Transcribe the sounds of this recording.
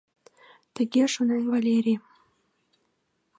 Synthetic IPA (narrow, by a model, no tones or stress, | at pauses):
t̪ə̆ɣʲeʃonenvalʲeɾʲi